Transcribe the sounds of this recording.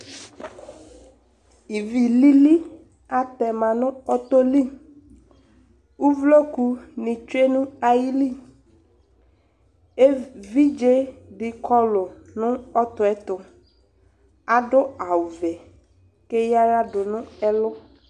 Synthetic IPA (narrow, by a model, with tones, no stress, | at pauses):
i˨vi˨li˦li˦ | a˨tɛ˨mã˨nʊ̃˦ɔ˦t̪o˦li˦ | u˦vlo˦ku˦nɪ̃˨t͡ʃe˦nũ˦a˨ji˦li˦ | e˦vi˦d͡ʒe˦dɪ˨kʰɔ˦lʊ˨nʊ̃˦ɔ˦t̪ʊ˨ɛ˦t̪ʊ˨ | a˨ɖʊ˦a˨wʊ˨vɛ˨ | ke˦ja˦ɾa˦dʊ˨nʊ̃˦ɛ˦lʊ˦